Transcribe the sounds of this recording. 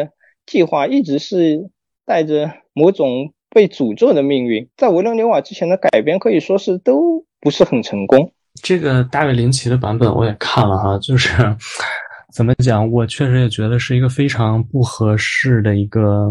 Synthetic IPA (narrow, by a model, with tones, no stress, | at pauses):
t͡ɕi˥˧xwa˥˩i˥˩ʈ͡ʂɻ̩˧˥ʂɻ̩˥˧ | t̪a˥˩ɪʈ͡ʂə˩ | mo˧˥ʊʈ͡ʂʊ˨˩ŋ | pe˥˩ɪt͡su˨˩ʈ͡ʂɤ˥˩d̪ə˩mi˥˧ŋɥy˥˩nt͡sa˥˩ɪwe˧˥ɪlwə˧˥ŋljo˧˥ʊwa˨˩ʈ͡ʂɻ̩˥t͡ɕʰjɛ˧˥nd̪ə˧ka˨˩ɪpjɛ˥nkʰɤ˧˥i˨˩ʂwɔ˥ʂɻ̩˥˩t̪o˥ʊpu˧˥ʂɻ̩˥˩xə˨˩nʈ͡ʂʰɤ˧˥ŋkʊ˥ŋ | ʈ͡ʂɤ˥˩ɡə˩t̪a˥˧we˥˩ɪli˧˥ŋt͡ɕʰi˧˥d̪ə˧pa̰˧˥nbə˨˩˦nwɔ̰˧˥jɛ˨˩kʰa˥˩nlə˩xa˧t͡ɕjo˥˧ʊʂɻ̩˥˩ | t͡sə˨˩nmə˦t͡ɕjɑ˨˩˦ŋwɔ˨˩t͡ɕʰɥɛ˥˩ʂɻ̩˧˥jɛ˨˩t͡ɕɥɛ˧˥d̪ə˧ʂɻ̩˥˩i˧˥ɡə˥˧fe˥ɪʈ͡ʂʰɑ˧˥ŋpu˥˩xɤ˧˥ʂɻ̩˥˩d̪ə˩i˧˥ɡə˧